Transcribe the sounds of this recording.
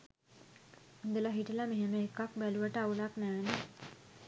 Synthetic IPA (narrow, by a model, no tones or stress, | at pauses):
und̪əlaɦiʈəlameɦeməekːakbæluʋəʈəaulaknæːnə